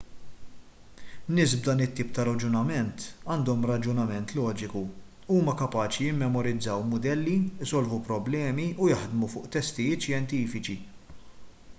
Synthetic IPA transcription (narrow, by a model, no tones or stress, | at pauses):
nːɪːsbd̪ɐːnɪt̪ːiːp̚t̪ɐɾɐd͡ʒʊnɐmɛnt̪ɐːnd̪ɔmɾɐd͡ʒʊnɐmɛnt̪lɔːd͡ʒɪku | uːmɐkɐpɐːt͡ʃijɪmːɛmɔɾɪd͡zːɐwmʊd̪ɛlːiɪsɔlvupɾɔblɛːmiujɐħd̪mufʊːʔt̪ɛst̪ɪjɪːt̪ʃjɛnt̪iːfɪt͡ʃi